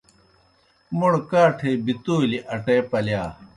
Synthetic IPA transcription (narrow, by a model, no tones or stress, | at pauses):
muɽkaːʈʰeːbit̪oːliʔɐʈeːpɐljaː